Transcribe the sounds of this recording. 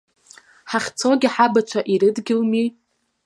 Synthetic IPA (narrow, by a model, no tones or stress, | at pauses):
ħaχʲt͡sʰo̞ɡʲɪħabat͡ʃʷʰaʔiɾɨdɡʲɪlmi